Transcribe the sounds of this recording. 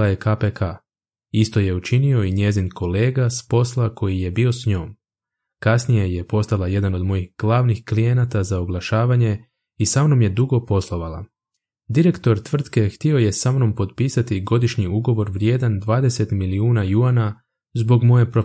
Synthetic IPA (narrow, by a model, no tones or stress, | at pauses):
ajekapekʰa | ist̪o̞je̞ut͡ʃinio̞iɲe̞zinkʰo̞le̞ːɡaspo̞slˠakʰo̞jije̞bio̞sɲoːm | kasnije̞je̞po̞st̪alaje̞d̪ano̞d̪mo̞jixɡ̥lˠaʋnixklije̞nat̪azaoɡlˠaʃaːʋaɲe̞ | isamno̞mje̞d̪uɡo̞po̞slˠo̞ʋala̰ | d̪iɾe̞kt̪o̞ɾt̪ʋr̩t̪ke̞xt̪io̞je̞samno̞mpo̞d̪piːsat̪iɡo̞d̪iʃɲiuɡo̞ʋo̞ɾʋɾje̞ːd̪and̪ʋaːd̪e̞se̞t̪miliuːnajuana | zbo̞ɡmo̞je̞pɾo